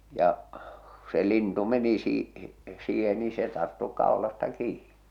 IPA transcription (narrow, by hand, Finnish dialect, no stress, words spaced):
jɑ ku se lintu meni siː siːhen ni se tɑrtːu kɑˑo̝lɑstɑ kiːn̥i̥